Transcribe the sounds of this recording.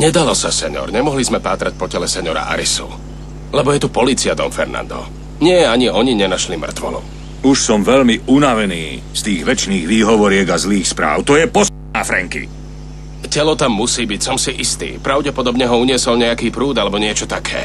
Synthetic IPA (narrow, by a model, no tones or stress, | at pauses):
ɲɛd̪alɔsasɛɲɔ̰ɾɲɛmɔɦlizmɛpaːt̪ɾac̚pɔcɛlɛsɛɲɔɾa̰ʔa̰ɾisṵ | lɛbɔjɛt̪upɔliːt͡siad̪ɔ̰ɱfɛɾna̰nd̪ɔ̰ | ɲɪɛjɛaɲiɔɲiɲɛnaʃlimr̩t̪ʋɔ̰nṵ | uʃsɔmʋɛʎmiunaʋɛniː | st̪iːɣʋɛt͡ʃniːɣʋiːɦɔʋɔɾɪɛɡazliːxspɾa̰ːʊt̪ɔjɛpɔs | aːfɾɛ̰ŋkḭ | cɛlɔt̪amːusiːbicsɔmsiʔist̪ḭːpɾaʊɟɛpɔd̪ɔbɲɛɦɔuɲɪɛsɔlɲɛjakiːpɾuːd̪alɛbɔɲɪɛt͡ʃɔt̪akʰɛ̰ː